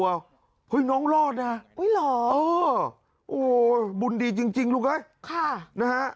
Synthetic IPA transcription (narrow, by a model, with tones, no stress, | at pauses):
aː˨˧˩w | pʰə˨˧˦jnɔ˨˦nlɔ˧naː˨˧˩ku˨˦lɔ˨˩ʔəː˨˩ | ʔo˧˩ɓu˧˩nɗi˧˩t͡ɕɨ˧əŋt͡ɕï˧˩ŋ̟lu˧əŋʔə˨˧˦jxaː˧˩na˨˧˦haː˧˥